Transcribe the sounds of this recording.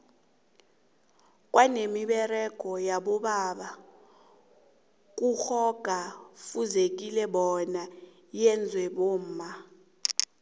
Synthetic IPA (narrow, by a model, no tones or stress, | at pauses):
kʼwanemiɓɛrɛɡ̥ʱɔjaɓɔɓaɓa | k̬ʼuxɔɡ̥ʱafuzek̬ʼilɛɓɔna | jɛnd͡zʱwɛɓom̩ːma